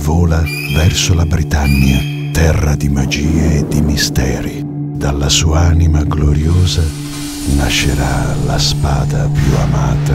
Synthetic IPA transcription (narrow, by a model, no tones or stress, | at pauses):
vɔːla | vɛrsolabɾit̪aɲːja | t̪ɛrːad̪imad͡ʒiːeːd̪imist̪ɛːɾi | d̪alːasuːaanimaɡloɾjoːza | naʃːeɾalaspaːd̪apjua̰maːt̪a